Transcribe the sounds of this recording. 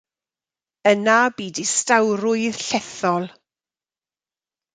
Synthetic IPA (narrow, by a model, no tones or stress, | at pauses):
ənabiːdistawɾʊɨðɬɛθɔlˠ